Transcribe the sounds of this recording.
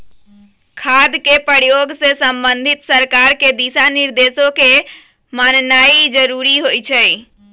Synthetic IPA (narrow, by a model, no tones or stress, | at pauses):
kʰad̪kepəɾjoɡsesəmbənd̪ʱit̪səɾkaɾked̪isaniɾd̪esoke | mannaid͡ʒəɾuɾiɦojt͡ʃʰɛ